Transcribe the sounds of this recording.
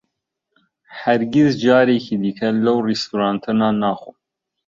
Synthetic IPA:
hæɾɡizd͡ʒɑːɾeːkʰiːd̪ɨkʰɛlɐwrist̪uɾɑːnt̪ʰɨnɑːnɑːxu

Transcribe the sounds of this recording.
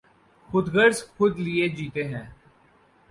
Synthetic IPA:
xʊd̪ɡəɾzxʊd̪lied͡ʒiːt̪eɦɛ̃ː

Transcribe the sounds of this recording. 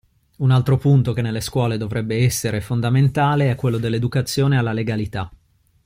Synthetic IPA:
unalt̪ɾopunt̪ok̟enːelːeskwɔːled̪ovɾɛbːeɛsːeɾefond̪ament̪aːleɛkːwelːod̪elːed̪ukat̪sːjoːnealːaleɡalit̪a

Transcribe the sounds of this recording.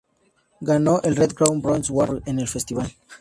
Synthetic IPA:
ɡanoʔelred̪̚kɾawnbɾõnswaɾẽnelfest̪iβal

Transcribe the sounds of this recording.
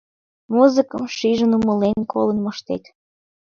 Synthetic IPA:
muzɨkəmʃiʒənumə̆lenkʰolənmoʃt̪ek̪

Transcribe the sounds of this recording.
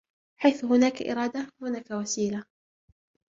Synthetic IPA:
ħajθʊɦʊnaːkaʔɪ̰ɾˤɑːd̪ahʊnaːkawasiːla

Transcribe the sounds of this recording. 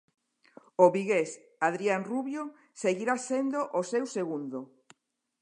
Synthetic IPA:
oβiɣes | aðɾianruβjo | seɣiɾasend̪oʔosewseɣund̪o

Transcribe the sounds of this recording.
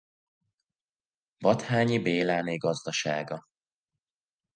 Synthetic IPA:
vɒt̪haːɲibeːlaːneːɡɒzd̪ɒʃaːɡɒ

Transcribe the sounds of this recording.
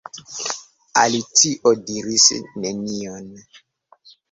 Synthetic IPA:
a̰litiʔodiɾisnenion

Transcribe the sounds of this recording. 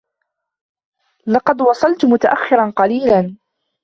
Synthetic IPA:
lɑqɑd̪wɑsˤɑlt̪mʊt̪aʔaxːɪɾɑnqɑliːlan

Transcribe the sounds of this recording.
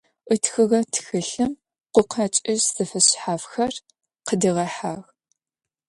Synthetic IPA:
ʔɨtxɨʁɐtʰxɨɬɨm | qʷʊqʰɑt͡ʃʼɪʒz̥ɨfɨɕħaːfxɐr | qədɨʁɐħaːʁ

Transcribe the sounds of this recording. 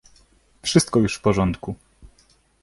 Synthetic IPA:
fʂɘst̪kɔjuʂfpɔʐɔnt̪ku

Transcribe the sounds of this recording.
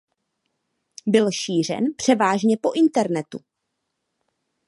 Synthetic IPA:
bɪlʃiːr̝ɛ̰npr̝̥ɛvaːʒɲɛpo̞ʔɪnt̪ɛɾnɛt̪ṵ

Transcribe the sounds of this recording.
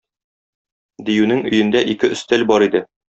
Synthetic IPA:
d̪ijʉnɘŋɵ̆jɘ̆nd̪æʔikɘɵ̆st̪ælbɒɾid̪ɘ

